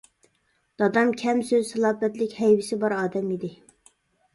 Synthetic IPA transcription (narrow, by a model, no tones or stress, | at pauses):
d̪̥ɑd̪ɑmkʲʰɛmsøzsɛlˠɑːbɛt̪lɪkʲhɛjwɪsɪbɑɾɑːd̪ɛmid̪ɪ